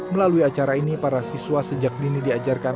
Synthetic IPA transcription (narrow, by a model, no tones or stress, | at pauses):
məlaluiat͡ʃaɾainipaɾasiswasəd͡ʒak̚dinidiad͡ʒarka